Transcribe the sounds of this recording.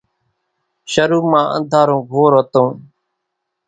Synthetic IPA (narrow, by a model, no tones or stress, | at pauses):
ʃəɾuːmãːʔə̰̃nd̪ʱaːɾõːɡʱoːɾɦət̪õː